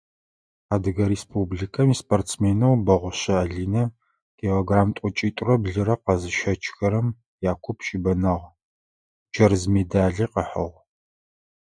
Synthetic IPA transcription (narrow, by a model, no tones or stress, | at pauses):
aːdɨɣɐɾespʰubɮikʰɐmiːspʰʼortsmeːnɐwbɐʁʷʊɕɐːɮiːnɐ | kʰeoɡraːmtʷʼʊt͡ʃʼiːtʷʼʊrɐbɮɨɾɐqɐzɨʃɐt͡ʃʰʼxɐɾɐm | jaːkʷʰʊpʰʃʼibɐnɐʁ | d͡ʒɐrzmedaːɮiːqəħɐʁ